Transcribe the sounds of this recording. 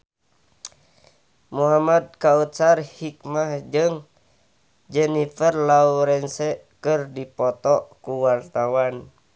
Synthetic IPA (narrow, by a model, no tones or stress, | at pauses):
muɦamad̪̚kaut̪sarhik̚mahd͡ʒɨŋ | d͡ʒɛnifərlauɾɛnsɛ | kɨrdipɔt̪ɔkuwart̪awan